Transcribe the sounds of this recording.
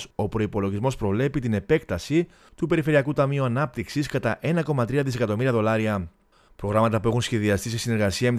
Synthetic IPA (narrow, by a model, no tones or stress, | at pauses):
so̞pɾo̞ipo̞lo̞ʝizmo̞spɾo̞vle̞pit̪ine̞pe̞kt̪ɐsi | t̪upe̞ɾife̞ɾiɐkut̪ɐmiuɐnɐp̚t̪iksiskɐt̪ɐʔe̞nɐko̞mɐt̪ɾiɐðise̞kɐt̪o̞miɾiɐðo̞lɐɾiɐ | pɾo̞ɣɾɐmɐt̪ɐpuexunsçe̞ðiɐst̪ise̞sine̞ɾɣɐsiɐme